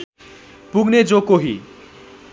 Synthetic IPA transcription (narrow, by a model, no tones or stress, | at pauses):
puɡned͡zokoɦḭ